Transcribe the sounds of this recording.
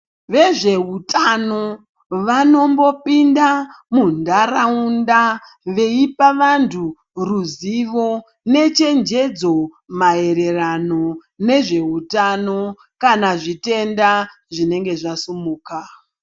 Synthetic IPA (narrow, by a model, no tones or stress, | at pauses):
ʋe̞ʐe̞ɦutʰano̞ | ʋano̞mbo̞pinda | mundaɾaunda | ʋe̞ipaʋantʰu | ruziʋo̞ | ne̞t͡ʃe̞nd͡ʒe̞d͡zo̞ | mae̞ɾe̞rano̞ | ne̞ʐe̞ɦutano̞ | kanaʐite̞nda | ʐine̞ŋɡe̞ʐasumuːka